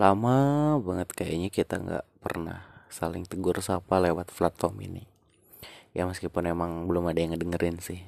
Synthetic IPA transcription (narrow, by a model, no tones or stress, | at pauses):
lamabaŋət̪̚kajaiɲakit̪aŋɡa̰ʔpə̰rna̰hsalɪŋt̪əɡʊrsapalewat̪flat̪fɔmḭnḭ | jaməskipʊnemaŋbəlʊmadajaŋədəŋəɾɪnsɪh